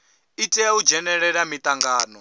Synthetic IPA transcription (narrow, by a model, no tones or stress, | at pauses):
itʼɛaud͡ʒɛnɛɺɛɺamit̪ʼaŋɡaːnɔ